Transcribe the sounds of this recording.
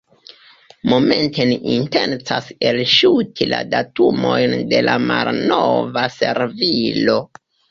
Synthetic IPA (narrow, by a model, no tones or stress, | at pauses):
mo̞me̞nteniʔintent͡sase̞lʃutʰila̰datumo̞jnde̞lʔamalnovase̞ɾvilo